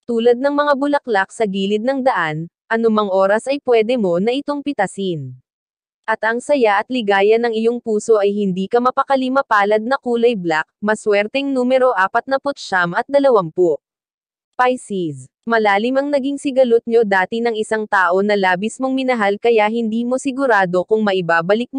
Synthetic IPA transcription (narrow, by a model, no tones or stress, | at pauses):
t̪uːlɐd̪̚nɐŋmɐŋabʊlɐklak̚sɐɡiːlɪd̪̚nɐŋd̪ɐʔan | ʔɐnʊmaŋʔo̞ːɾɐsʔɐjpwɛːd̪ɛmo̞nɐʔɪt̪o̞ŋpɪt̪ɐsɪn | ʔɐt̪ʔɐŋsɐjaʔɐt̪̚lɪɡaːjɐnɐŋɪjo̞ŋpuːso̞ʔɐjhɪnd̪iːkɐmɐpɐkɐlimɐpaːlɐd̪̚nɐkuːlɐjblak̚mɐswɛɾt̪ɛŋnuːmɛɾo̞ʔaːpɐt̪̚nɐpʊt̪̚ʃamɐt̪̚d̪ɐlɐwampo | pajsis | mɐlaːlɪmɐŋnɐɡiŋsɪɡɐlʊt̪̚ɲo̞d̪aːt̪ɪnɐŋɪsaŋt̪aːʔo̞nɐlaːbɪsmo̞ŋmɪnɐɦalkɐjaɦɪnd̪iːmo̞sɪɡʊɾaːd̪o̞kʊŋmɐʔɪbaːbɐlɪk̚m